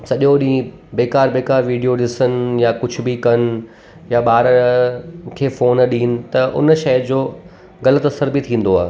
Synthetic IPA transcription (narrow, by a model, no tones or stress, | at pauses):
sɐʄjoɗĩː | beːkaːɾbeːkaːɾʋiːɖijoɗɪsənɪ̆jakʊd͡ʑʱʊ̆bɪkɐnɪ̆ | jaɓaːɾ | kʰeːfoːnɗĩːnɪ̆t̪ɐʔʊ̰nʃɐjd͡ʑoː | ɣɐlət̪ɐsəɾbɪt̪ʰĩːn̆d̪oaːɦ